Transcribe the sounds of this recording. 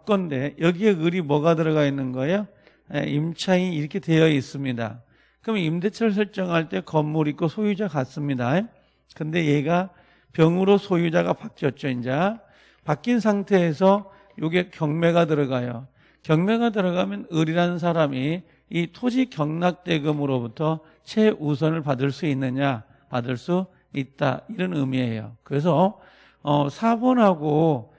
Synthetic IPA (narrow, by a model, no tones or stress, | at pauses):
k͈ʌnde̞jʌɡie̞ɯɾimwʌɡadɯɾʌɣainːɯnɡʌejo | eimt͡ɕʰainiɾʌkʰe̞te̞jʌis͈ɯmɲida̰ | kɯʌmimde̞t͡ɕʰʌɾɭs̬ʰʌɭt͡ɕ͈ʌŋɦaɭt͈e̞kʌmːoɾikosʰojud͡ʑakas͈ɯmɲida | kɯnde̞je̞ɡa | pjʌŋɯɾosʰojud͡ʑaɣapak͈jʌt̚t͡ɕ͈oind͡ʑa | pak͈insʰaŋtʰe̞ːsʰʌ | joɡe̞kjʌŋme̞ɣatɯɾʌɡajo | kjʌŋme̞ɡat̬ɯɾʌɡamjʌnɯɾiɾanns̬ʰaɾamiː | tʰod͡ʑikjʌŋnak̚t͈e̞ɡɯmɯɾobutʰʌ | t͡ɕʰe̞ʔus̬ʰʌnɯɭpadɯɭs͈uinːɯɲa | padɯɭs͈u | it̚t͈a̰iɾʌnɯmie̞jo̰kɯɾe̞s̬ʰʌ | ʌsʰabʌnɦaɡo